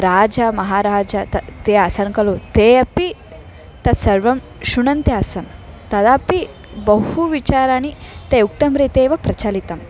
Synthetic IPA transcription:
ɾaːd͡ʒɐmɐɦaːɾaːd͡ʒɐt̪ɐt̪eːɐsɐnkɐlot̪eːɐpi | t̪ɐd̪sɐɾʋɐm | ʃuɳɐnt̪jaːsɐn | t̪ɐd̪aːpi | bɐuʋit͡ʃaːɾaːnit̪eːuk̚t̪ɐmɾeːt̪eːʋɐpɾɐt͡ʃɐlit̪ɐm

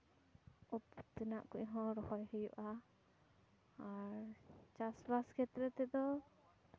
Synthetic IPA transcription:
ɔpt̪ɛnaʔkuɲɦɔ̃ɾɔhɔjhəjṵʔa | ɾt͡ʃasbaskʰɛt̪ɾɛt̪ɛd̪ɔ

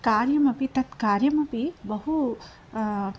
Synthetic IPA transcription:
kaːɾjɐmɐpit̪ɐt̪kaːɾjɐmɐpibɐɦu

